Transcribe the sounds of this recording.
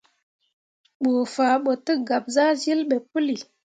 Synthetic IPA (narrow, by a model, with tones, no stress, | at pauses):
ɓo˨fa˨ɓə˨tə˦ɡa˨p̚za˦zi˦lɓe˨pə˦li˨